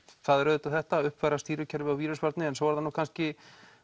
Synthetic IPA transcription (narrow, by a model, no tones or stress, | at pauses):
θaðɛɾœðt̪aθɛht̪aʏhpvɛjɾast̪iːɾʏcʰɛɾvɪawviːɾʏspaɾt̪nɪɛnsowvaɾðanuːkʰanscɪ